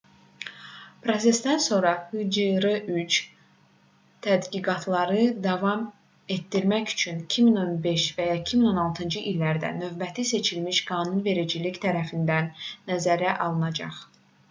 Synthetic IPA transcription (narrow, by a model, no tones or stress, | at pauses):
pʰɾo̞s̬e̞sd̪ænso̞ɾɑhyd͡ʒɯɾɯʔyd͡ʒ | t̪ʰæd̪ɡiɡɑt̪ʰlˠɑɾɯd̪ɑvɑm | e̞t̪d̪iɾmæçy̥t͡ʃʰynicʰimino̞nbe̞ʃvæjɑecʰimino̞nɑlˠt̪ʰɯnd͡ʒɯʔilːæɾd̪æ̰nø̞vbæt̪ʰise̞t͡ʃʰilmiʃɡɑːnunve̞ɾid͡ʒiliçt̪ʰæɾæfind̪ænːæzæɾæʔɑlˠɯnɑd͡ʒɑ̰χ